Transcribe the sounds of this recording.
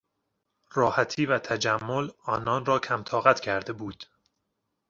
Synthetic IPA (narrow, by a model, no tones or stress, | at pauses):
rɒːhæt̪ʰiːvæt̪ʰæd͡ʒæmːolɒːnɒːnrɒːcʰæmt̪ʰɒːɣæt̪cʰæɾd̪e̞buːd̪̥